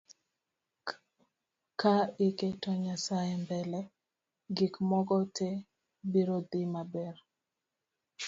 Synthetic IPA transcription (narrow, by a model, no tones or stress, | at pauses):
kaiketɔɲasajɛmbɛlɛ | ɡikmɔɡɔte | biɾod̪ɪmabɛr